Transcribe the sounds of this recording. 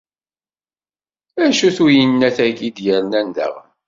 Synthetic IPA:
æʃuθujənːæθæɡid̪jəɾnændə̰ʁ

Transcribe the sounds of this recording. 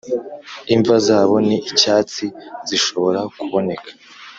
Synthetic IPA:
iɱvazaːβo̞niːcaːt͡siziʃo̞βo̞ɾakuβo̞ne̞kʰḁ

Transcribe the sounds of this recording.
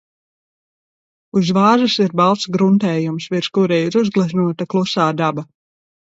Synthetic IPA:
uzvaːʒasiɾbalˠt̪sɡɾunt̪ɛːjumsviɾskuɾɛjiɾuzɡlˠazʲnuɔt̪aklˠusaːd̪aba

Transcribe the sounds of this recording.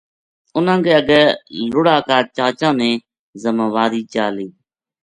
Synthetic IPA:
ʊnãːɡeːəɡəlʊɽaːkaːt͡ʃaːt͡ʃãːmẽː | zəmaːʋaːɾiːt͡ʃaːliː

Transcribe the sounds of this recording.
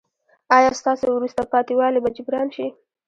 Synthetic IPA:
ɑjɑst̪ɑsewɾust̪apɑt̪iwɑlebad͡ʒɪbɾɑnʃi

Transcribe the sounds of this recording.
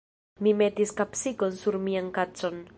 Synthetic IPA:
mime̞tiskapsiko̞nsuɾmiankat͡so̞n

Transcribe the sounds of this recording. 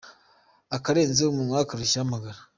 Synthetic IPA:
akaɾe̞ːnzeomunwakaɾuʃamaɡaɾa

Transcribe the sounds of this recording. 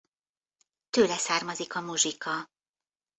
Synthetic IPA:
t̪øːlɛsaːrmɒzikɒmuʒikʰɒ

